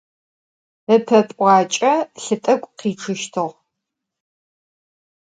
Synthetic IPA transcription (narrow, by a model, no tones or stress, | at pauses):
əpʰɐpʼʷɑːt͡ʃʼɐɬɨtʼɐkʷʼqiːʈ͡ʂʰɨʃtʰɨʁ